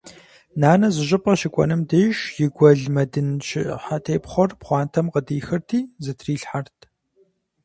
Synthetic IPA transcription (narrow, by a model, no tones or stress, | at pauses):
naːnɐzɨʑʼɪpʼɐɕɪkʷʼɔ̰nɨmdejʃjɪɡʷɐɮmɐdɨnɕɪħatʰeːpχʷɔrpχʷɑːntʰɐmqədiːxɨrtʰiːzɨtʰriːɬħartʰ